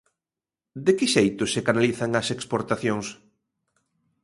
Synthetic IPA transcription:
d̪ɪkɪʃejt̪ʊsekanaliθaŋɐsekspoɾt̪aθjoŋs

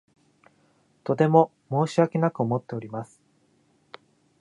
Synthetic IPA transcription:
t̪o̞t̪e̞mo | mo̞ːɕiβake̞nakɯ̟o̞mo̞t̪ːe̞o̞ɾʲimasɨ̥

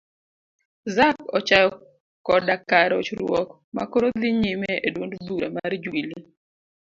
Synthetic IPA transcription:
zakɔt͡ʃajɔ | kɔdakaɾo̰t͡ʃɾwɔk | ma̰koɾod̪ɪɲimeedwondbuɾema̰rd͡ʒwili

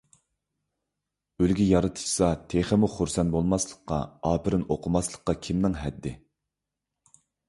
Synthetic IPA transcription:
ølɡʲijɑɾɨt̪ʰɨ̥ʃsɑt̪ʰeχɪmʊχuɾsɛnbolˠmɑslˠəqːɑ̰ɑːpʰɪɾɪnoqʰʊmɑslˠə̥qːɑkʲʰimnɪŋɦɛd̪ːɪ

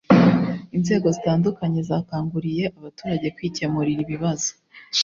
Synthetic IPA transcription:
inze̞ːɡo̞zitaːndukaɲe̞zaːkaːŋɡuɾije̞ʔaβatuːɾaɟe̞kwiːcemuɾiɾiβiβazo̥

